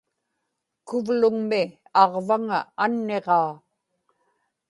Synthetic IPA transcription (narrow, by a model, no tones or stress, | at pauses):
kʊvlʊŋmɪ | ɑʁvaŋaːnːe̞ʁɑː